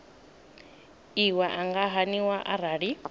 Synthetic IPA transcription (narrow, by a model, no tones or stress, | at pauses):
iwaʔaŋɡaɦaniwaʔaɾaːɺi